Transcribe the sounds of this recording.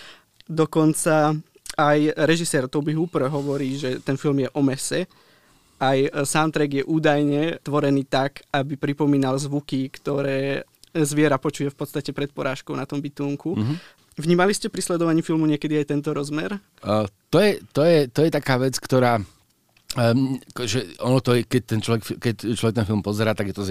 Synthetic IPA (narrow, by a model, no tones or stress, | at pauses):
d̪ɔkɔnt͡sa | ajɾɛʒisɛːɾt̪ɔbiɦupɾɦɔʋɔɾiːʒɛt̪ɛnfilmjɛʔɔmɛsɛ | ajsant̪ɾɛɡjɛʔuːd̪ajɲɛt̪ʋɔɾɛniːt̪akabipɾipɔmiːnalzʋukikt̪ɔɾɛː | zʋɪɛɾapɔt͡ʃujɛfpɔt̪st̪acɛpɾɛt̪̚pɔɾaːʃkɔʊnat̪ɔmbit̪uːŋku | ʋɲiːmaliscɛpɾislɛd̪ɔʋaɲifilmuɲɪɛkɛd̪iajt̪ɛnt̪ɔɾɔzmɛɾ | t̪ɔjɛt̪ɔjɛt̪ɔjɛt̪akaːʋɛt͡skt̪ɔɾaː | kʒɛɔnɔt̪ɔɛkɛc̚t̪ɛnt͡ʃlɔʋɛkfikɛc̚t͡ʃlɔʋɛkt̪ɛnfilˠmpɔzɛɾaːt̪aɡjɛt̪ɔz